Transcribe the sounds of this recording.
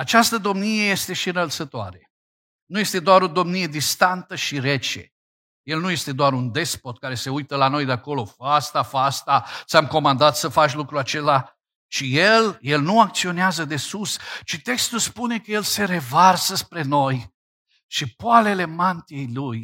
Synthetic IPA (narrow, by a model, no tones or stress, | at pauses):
at͡ʃast̪əd̪o̞mnije̞je̞st̪e̞ʃiɨnəlt̪sət̪oa̰ɾe̞ | nujest̪e̞d̪oaɾo̞d̪o̞mnije̞d̪ist̪ant̪əʃiɾe̞t͡ʃḛ | je̞lnuje̞st̪e̞d̪oaɾund̪e̞spo̞t̪̚kaɾe̞se̞ujt̪əlano̞jd̪eako̞lo̞fast̪afast̪asamko̞mand̪at̪səfat͡ʃʲlukɾuat͡ʃe̞la | ʃije̞lje̞lnuak̚t̪sio̞neazəd̪e̞sust͡ʃit̪e̞kst̪ulspune̞kəje̞lse̞ɾe̞varsəspɾe̞no̞j | ʃipoale̞le̞mant̪ie̞jluj